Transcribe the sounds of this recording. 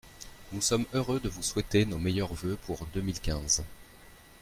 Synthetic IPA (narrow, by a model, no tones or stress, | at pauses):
nusɔmøʁød̪əvuswɛt̪enomejœʁvøpʰuʁd̪əmilkʲɛ̃z